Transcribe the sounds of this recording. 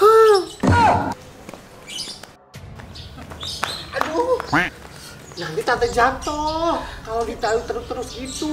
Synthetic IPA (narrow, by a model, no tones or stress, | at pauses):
hə | ado | naŋɡit̪at̪əd͡ʒat̪ɔhkaloɡit̪aut̪əɾʊst̪əɾʊsɡit̪u